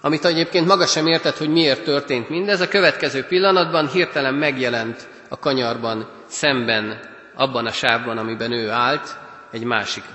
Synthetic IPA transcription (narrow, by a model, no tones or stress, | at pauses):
ɒmit̪ɛɟeːpkeːnt̪mɒɡɒʃɛmeːrt̪ɛt̪ho̞ɟmieːrt̪ːørt̪eːnt̪mind̪ɛzɒkø̞vɛt̪kɛzøːpilːɒnɒd̪bɒnɦirt̪ɛlɛmːɛɡjɛlɛnt̪ | ɒkɒɲɒrbɒn | sɛmbɛn | ɒbːɒnɒʃaːvbɒnɒmibɛnøːaːlt̪ | ɛɟma̰ːʃik